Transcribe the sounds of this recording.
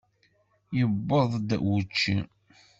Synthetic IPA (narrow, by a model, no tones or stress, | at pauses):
jəbːəðˤd̪̰wut͡ʃːi